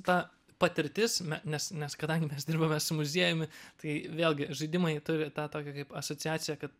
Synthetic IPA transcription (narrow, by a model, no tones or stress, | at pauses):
t̪ɑː | pɐt̪ʲɪɾʲt̪ʲɪsnʲɛnʲɛsnʲɛskɐd̪ɐŋʲɡʲɪmʲɛsd̪ʲɪrbɐmʲɛsʊmʊzʲiɛjʊmʲɪt̪ɐɪʋʲeːlˠʲɡʲɪʒɐɪd̪ʲɪmɐɪt̪ʊɾʲɪt̪ɑːt̪oːkʲɛkɐɪpɐsoːt͡sʲɪæːt͡s̪ʲɪjɛkɐt̪